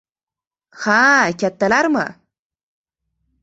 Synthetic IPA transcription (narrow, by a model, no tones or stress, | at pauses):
hakat̪ːalaɾma̰